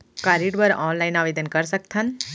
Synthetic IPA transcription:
kaɾiɖbəɾɔːnlajnaʋed̪ənkəɾsək̚t̪ʰən

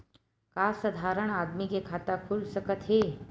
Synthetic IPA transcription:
kaːsəd̪ʱaːɾəɽ̃aːd̪mikekʰaːt̪akʰulsəkət̪ɦeː

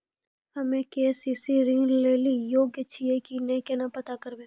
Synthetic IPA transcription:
hɐmẽkeːsisiɾĩŋleːlijoːɡjət͡ʃʰiekinẽkenapɐt̪akəɾbẽ

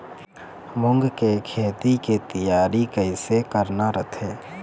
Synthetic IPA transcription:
mʊ̃ŋɡkekʰeːt̪iket̪əjaːɾikəɪsekəɾnaɾət̪ʰeː

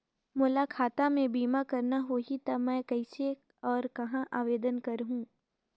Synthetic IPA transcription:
mʊlakʰaːt̪amẽbiːmakɐɾnaɦoːɦit̪ɐmɛ̃ːkɐɪse | ɔːɾkɐɦãʔaːʋeːd̪ənkɐɾɦũː

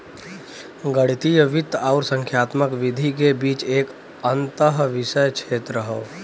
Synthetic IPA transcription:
ɡəɽit̪ijəʋɪt̪aʊɾsə̃ŋkʰjaːt̪məkʋɪd̪ʱikebiːt͡ʃeːk | ənt̪əɦʋɪsəjkt͡ʃʰeːt̪ɾəɦə

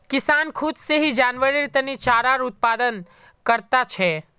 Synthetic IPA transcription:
kɪsaːnkʰʊd̪seɦid͡ʒanʋəɾiɾt̪ənit͡ʃaːɾaɾʊt̪̚pad̪ən | kəɾt̪at͡ʃʰɛ

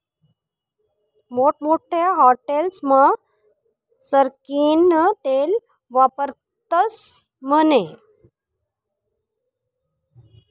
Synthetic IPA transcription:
moʈmoʈʰjaɦɔʈelsma | səɾkinət̪el | ʋapəɾ | t̪əs | məne

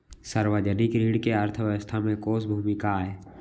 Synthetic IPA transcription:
səɾwəd͡ʒənɪkɾiːɽkeəɾt̪ʰəʋjəəst̪ʰamẽkoːsbʱuːmɪkaeː

